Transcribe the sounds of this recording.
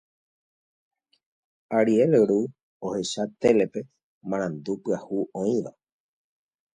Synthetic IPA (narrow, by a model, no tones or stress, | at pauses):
aɾielɾu | ohe̞ʃat̪e̞le̞pe̞ | mãɾ̃ãnd̪upɨahuʔõĩʋa